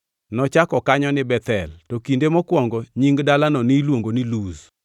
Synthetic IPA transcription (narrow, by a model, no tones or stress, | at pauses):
nɔt͡ʃakɔkaɲɔnɪbɛt̪ɛltɔkindemɔkwɔŋɡɔɲiŋɡdalanɔnilwoŋɡonɪluz